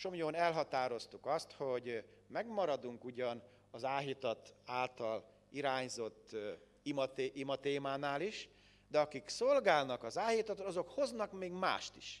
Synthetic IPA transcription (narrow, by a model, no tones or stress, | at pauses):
ʃo̞mjoːnɛlɦɒt̪aːɾo̞st̪ukɒst̪ho̞ɟmɛɡmɒɾɒd̪uŋkuɟɒn | ɒzaːɦit̪ɒt̪aːlt̪ɒl | iɾaːɲzo̞t̪ː | imɒt̪eʔimɒt̪eːmaːnaːliʃ | d̪ɛɒkikso̞lɡaːlnɒkɒzaːjit̪ɒt̪oɒzo̞kho̞znɒkmeːɡma̰ːʃt̪i̥ʃ